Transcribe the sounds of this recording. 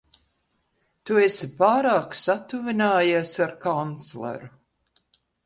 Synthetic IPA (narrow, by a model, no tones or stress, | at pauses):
t̪uesipaːɾaːksat̪uvinaːjisaɾkant̪slˠḛɾu